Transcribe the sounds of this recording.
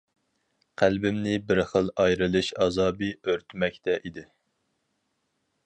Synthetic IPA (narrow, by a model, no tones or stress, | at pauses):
qʰælbɪmnɪbɪɾχəlˠɑjɾɨlˠɨʃɑzɑːbiøɾt̪ʰmɛkʲt̪ʰɛʔid̪ɪ